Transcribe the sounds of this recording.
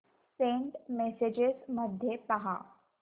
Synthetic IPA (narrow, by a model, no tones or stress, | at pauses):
sẽːɳʈmɛsed͡ʒɪzmɐd̪ʱjepɐɦa̰ː